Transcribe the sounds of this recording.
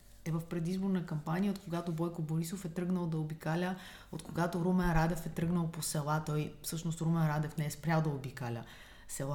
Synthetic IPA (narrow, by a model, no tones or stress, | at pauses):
ɛvɐfpɾɛd̪izboɾnɐkɐmpaniəot̪̚koɡat̪obɔjkoboɾisofɛt̪ɾɤɡnəlˠd̪ɐobikalʲə | ot̪koɡat̪oɾomɛnɾad̪ɛfɛt̪ɾɤɡnəlˠposɛlˠat̪ɔjfsɤʃnost̪ɾomɛnɾad̪ɛfnɛɛspɾʲalˠd̪ɐobikalʲə̰ | sɛlˠa